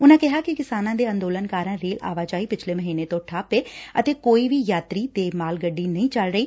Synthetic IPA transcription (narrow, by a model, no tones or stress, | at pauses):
ʊnãːkɪɦaːkɪkɪsaːnãːd̪eːə̃nd̪oːlənkaːɾãːɾeːla̰ːʋaːd͡ʒaːiːpɪt͡ʃʰleːməɦiːneːt̪õːʈʰaːpeːət̪eːkoːiːʋiːjaːt̪ɾiːt̪eːmaːlɡəɖːiːnəĩːt͡ʃəlɾəiː